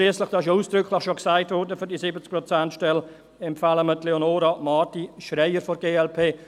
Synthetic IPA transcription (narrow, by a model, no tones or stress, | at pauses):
liːəslɪχd̥ɑɪʃuːsd̥ɾʏkʰlɪχʃoksaɪtvɔɾdəfyɾdisɪbət͡sk̚pɾɔt͡sɛntʃtɛl | ɛmpfaːləmətleonoːɾɑmɑːtiʃrɛɪəɾfɔɾɡeːɛlpʰeː